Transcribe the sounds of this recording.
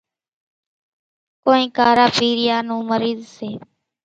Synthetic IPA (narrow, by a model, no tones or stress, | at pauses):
koːĩːkaːɾaːpiːɾɪjaːnũːməɾiːzseː